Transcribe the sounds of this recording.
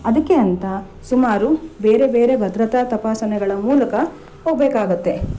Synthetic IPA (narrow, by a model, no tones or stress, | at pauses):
ɐd̪ɐkːeɐnt̪ɐ | sumaːɾubeːɾe̞beːɾebɐd̪ɾɐt̪ɐt̪ɐpaːsɐnɛɡɐɭɐmuːlɐkɐ | oːbeːkaːɡut̪ːe̞